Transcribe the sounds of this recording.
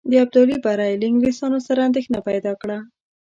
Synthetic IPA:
d̪əab̚d̪ɑlibaɾajlɪŋɡwisɑnosaɾaːnd̪exnapajd̪ɑkɽa

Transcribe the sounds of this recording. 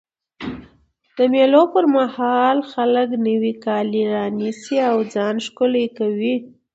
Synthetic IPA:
d̪̥əmelopəɾmahɑlxaləknəwikɑliɾɑnisiawd͡zɑnʃkolajkawi

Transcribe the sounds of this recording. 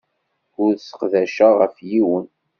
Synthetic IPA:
ʊɾsə̥qðæʃaʁəfjiwən

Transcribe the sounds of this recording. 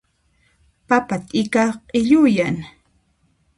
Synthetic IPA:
papat̪ɪkaqʼɪʎʊjan

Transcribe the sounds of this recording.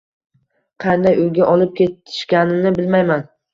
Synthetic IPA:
qʰɑnd̪ajojɡʲaʔɒlˠɪp̚kʲʰe̞t̪ʰɪ̥ʃkʲanɪnɪbɪlmajman

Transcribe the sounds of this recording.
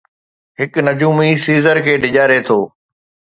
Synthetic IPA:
ɦɪknɐd͡ʑuːmisiːzəɾkʰeːɖɪʄaːɾɦet̪ʰoː

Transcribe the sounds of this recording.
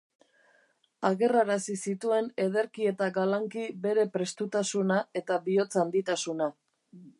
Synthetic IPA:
aɣe̞raɾasisit̪ue̞ne̞ð̞e̞ɾkie̞t̪aɡalaŋkibe̞ɾe̞pɾe̞st̪ut̪asunae̞t̪aβio̞t͡sand̪it̪asuna

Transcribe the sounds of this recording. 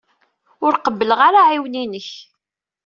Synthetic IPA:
ʊɾqəbːələʁaɾaʕiwninəç

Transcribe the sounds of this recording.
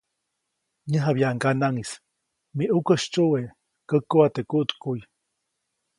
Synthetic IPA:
ɲəɦabjaʔŋkanaŋis | miʔukəʃt͡ʃuwe | kəkːuat̪ekuʔt̪kuj

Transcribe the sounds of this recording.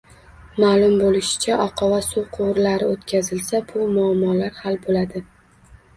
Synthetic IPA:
maːlˠʊmbolɪʃɪ̥t͡ʃʰaʔɒqʰɑvasuqʰʊwɾlaɾɪot̪kʲʰazɪlsabʊmʊamːɒlaɾhalbolad̪ɪ

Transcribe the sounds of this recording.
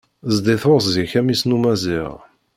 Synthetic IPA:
zd̪ɪθosziçæmisnumæziʁ

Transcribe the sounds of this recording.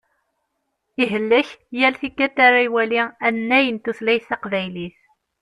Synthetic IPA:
iɦəlːæçjælθikːæt̪ːaɾaiwæliænːæjənt̪uθlæjθɑqvæjliθ

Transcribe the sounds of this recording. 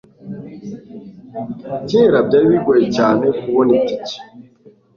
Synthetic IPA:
ceɾab̚ɟaːɾiβiɡojecaːnekuβonitice̥

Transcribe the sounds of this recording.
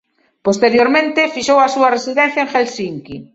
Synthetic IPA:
post̪eɾjoɾmẽnt̪ɪfiʃowasuaresiðɛ̃n̟θjaeŋxelsiŋki

